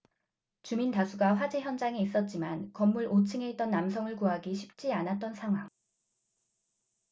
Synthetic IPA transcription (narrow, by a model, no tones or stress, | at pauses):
t͡ɕumintasʰuɡaɸwad͡ʑeçjʌnd͡ʑaŋeis͈ʌt̚t͡ɕ͈imankʌmːuɭʔot͡ɕʰɯŋe̞it͈ʌnːamsʰʌŋɯɭkuɦaɡiɕʰip̚t͡ɕ͈ianat̚t͈ʌnsʰaŋɦwaŋ